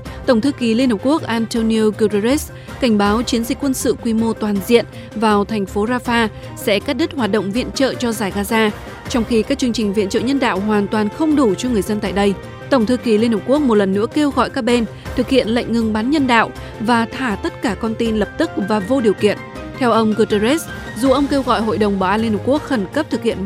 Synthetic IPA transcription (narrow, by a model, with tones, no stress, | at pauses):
t̪ə˧˩wŋ͡mt̪ʰɨ˧ki˨˩li˧ənhɨ˨˩p̚ku˦˥ək̚ʔaː˧nt̪o˧ni˧ku˧zze˦˥s | ka˧˩ŋ̟ɓaː˨˦wt͡ɕi˨˦ənzï˨˩k̟kːwə˧nsɨ̰˧˨kwi˧mo˧t̪waː˨˩nzḭ˧˨ən | vaː˨˩wt̪ʰɛ˨˩ŋ̟fo˨˦zaː˧faː˧ | sɛ̰˧˥kaː˦˥k̚ɗə˦˥t̚hwaː˨˩t̚ɗə̰˧˨wŋ͡mvḭ˧˨ənt͡ɕə̰ː˧˨t͡ɕɔ˧zaː˧˩jɣaː˧zaː˧ | t͡ɕɔ˧wŋ͡mxi˧kaː˦˥k̚t͡ɕɨ˧əŋt͡ɕï˨˩ŋ̟vḭ˧˨ənt͡ɕə̰ː˧˨ɲə˧nɗa̰ː˧˨wɦwaː˨˩nt̪waː˨˩nxə˧wŋ͡mɗu˧˩t͡ɕɔ˧ŋɨ˨˩əjzə˧nt̪a̰ː˧˨jɗə˧j | t̪ə˧˩wŋ͡mt̪ʰɨ˧ki˨˩li˧nhɨ˨˩p̚ku˦˥ək̚mo˨˩t̚lə˨˩nːɨ̰˧˥əke˧wɣɔ̰˧˨jkaː˦˥k̚ɓe˧n | t̪ʰɨ˨˩k̚hḭ˧˨ənla̰˧˨jŋ̟ŋɨ˧ŋɓa˨˦nɲə˧nɗa̰ː˧˨w | vaː˨˩t̪ʰaː˧˩t̪ə˦˥t̚kaː˧˩kɔ˧nt̪i˧nlə˨˩p̚t̪ɨ˦˥k̚vaː˨˩vo˧ɗi˨˩əwkḭ˧˨ən | t̪ʰɛ˧wʔə˧wŋ͡mɣu˧tə˧ze˦˥s | zu˨˩ʔə˧wŋ͡mke˧wɣɔ̰˧˨jɦo̰˧˨jɗə˨˩wŋ͡mɓaː˧˩wʔaː˧nli˧nhk͡pku˦˥ək̚xə˧˩nkə˦˥p̚t̪ʰɨ˨˩k̚hḭ˧˨ən